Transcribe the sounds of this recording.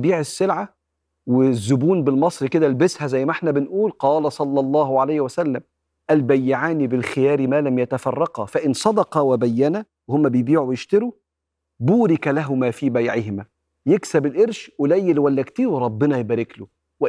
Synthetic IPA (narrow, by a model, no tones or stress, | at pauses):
biːʕɪsːɪlʕa | wɪzːʊbuːnbɪlmɑsˤɾiked̪ælbɪshæzæjːmæʔeħnæbɪnʔuːlqɑːlæsˤɑlːɑlˤːɑːɦʕalæːhwæsælːæm | ʔælbæjːɪʕaːnibɪlxɪjæːɾimæːlæmjæt̪æfɑrˤːɑqɑfæʔɪnsˤɑd̪ɑqɑwɪbæjːænæ | wehomːæbɪjbiːʕujɪʃt̪eɾu | buːɾɪkælæɦʊmæfiːbæjʕɪhɪmæ | jeksæbɪlʔeɾʃʔʊlæjːɪlwælːækt̪iːweɾˤɑbːɪnɑjɪbæːɾɪklu | wɪ